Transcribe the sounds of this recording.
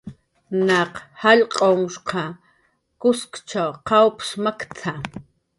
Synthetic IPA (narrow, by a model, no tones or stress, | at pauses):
nɑqhaʎqʼoŋʃqʰɑ | kʊskt͡ʃawqawpsmakt͡sʰa